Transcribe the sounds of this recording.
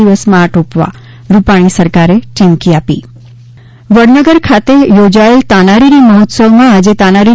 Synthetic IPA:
iʋəsmãʈopʋa̰ | ɾupaɽ̃isəɾkaɾet͡ɕimkiapḭː | ʋəɽnəɡəɾkʰat̪ejod͡ʑaelt̪anaɾiɾiməɦot̪səʋmãːd͡ʑet̪anaɾi

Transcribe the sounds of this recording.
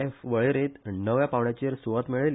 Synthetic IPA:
efʋəɭeɾet̪nəʋjapaʋɳjat͡ɕeɾsuʋət̪miɭel

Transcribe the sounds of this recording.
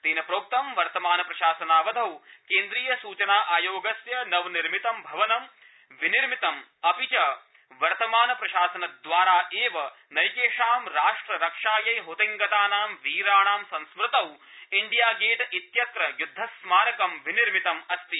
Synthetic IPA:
t̪iːnɐpɾoːk̚t̪ɐmʋɐɾt̪ɐmaːnɐpɾɐʃaːsɐnaːʋɐd̪ʱɐwkeːnd̪ɾiːjɐsuːt͡ʃɐnaːʔaːjoːɡɐsjɐnɐʋniɾmit̪ɐmbʱɐʋɐnɐm | ʋiniɾmit̪ɐmɐpit͡ʃɐ | ʋɐɾt̪ɐmaːnɐpɾɐʃaːsɐnɐd̪ʋaːɾaːʔeːʋɐ | nɐjkeːʂaːmɾaːʂʈɾɐɾɐkʂaːjɐjɦut̪iŋɡɐt̪aːnaːmʋiːɾaːɳaːmsɐ̃nsmɾɪt̪ɐw | iɳɖijaːɡeːʈɐit̪jɐt̪ɾɐjud̪ʱːɐsmaːnɐkɐmʋiniɾmit̪ɐmɐst̪i

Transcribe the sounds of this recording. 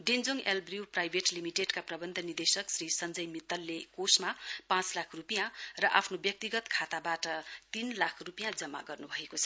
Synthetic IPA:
ɖend͡zoŋelbriwprajbʱeʈlimiʈeɖkaprʌbʌnd̪ʱʌnird̪esʌksrisʌnd͡zʌjmit̪ːʌlːekosmapãt͡slakʰrupijãrʌʔa̰pʰnobjʌk̚t̪iɡʌt̪kʰat̪abaʈʌt̪inlakʰrupijãd͡zʌmːa̰ɡʌrnubʱʌekot͡sʰʌ̥

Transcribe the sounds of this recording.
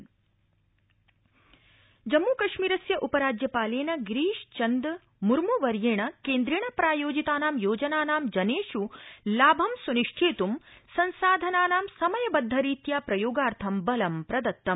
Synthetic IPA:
d͡ʒɐmːuːkɐʃmiːɾɐsjɐʔupɐɾaːd͡ʒjɐpaːleːnɐɡɾiːʃt͡ʃɐnd̪ | muɾmuʋɐɾjeːɳɐkeːnd̪ɾiːɳɐpɾaːjoːd͡ʒit̪aːnaːmjoːd͡ʒɐnaːnaːmd͡ʒɐneːʂulaːbʱɐmsuniʂʈʰeːt̪umsɐnsaːd̪ʱɐnaːnaːmsɐmɐjɐbɐd̪ʱːɐɾiːt̪jaːpɾɐjoːɡaːɾt̪ʰɐmbɐlɐmpɾɐd̪ɐt̪ːɐm

